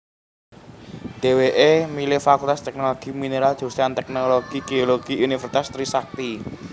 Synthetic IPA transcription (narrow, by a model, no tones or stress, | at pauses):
ɖ̥e̤weʔemilefakult̪ast̪ɛk̚noloɡ̥i̤mineɾaldʒ̥o̤st̪ant̪ɛk̚noloɡ̥iɡ̥eoloɡ̥iʔunifərsi̥t̪ast̪ɾisak̚t̪i